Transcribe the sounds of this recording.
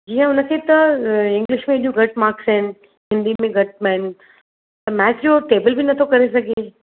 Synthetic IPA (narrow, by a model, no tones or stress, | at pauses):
d͡ʒiːɦɛ̃ʊnəkʰeːt̪ɐɪ̃ŋɡlɪʃmẽːɗijũɡʱɐʈmaːɾksɛn | ɦɪ̃nd̪imẽɡɐʈ̚mɛ̃ːn | t̪ɐmɛːt͡ʃjoʈeːbəlbʱinɐt̪ʰokɐɾesɐɡʱe